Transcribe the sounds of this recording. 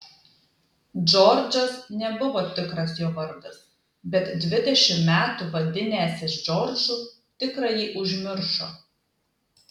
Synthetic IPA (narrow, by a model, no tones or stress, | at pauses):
d͡ʒɔɾʲd͡ʒʲɔsnʲɛbʊʋoːt̪ʲɪkɾɐsjoːʋɐɾd̪ɐs | bʲɛt̪d̪ʲʋʲɪd̪ʲɛʃʲɪmmʲæːt̪uːʋɐlʲd̪ʲɪnʲeːsɪʃd͡ʒɔɾʲd͡ʒʲuː | t̪ʲɪkɾɐjiːʔʊʒʲmʲɪɾʃoː